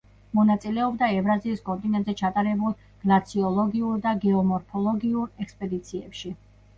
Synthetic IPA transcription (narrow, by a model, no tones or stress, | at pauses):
mɔnat̪sʼilɛɔbd̪aɛvɾaziːskʼɔnt̪ʼinɛnt̪zɛt͡ʃʰat̪ʼaɾɛbulˠ | ɡ̥lat̪sʰiɔlˠɔɡiuɾd̪aɡɛɔmɔɾpʰɔlˠɔɡiuɾɛkspʼɛd̪it̪sʰiɛpʃi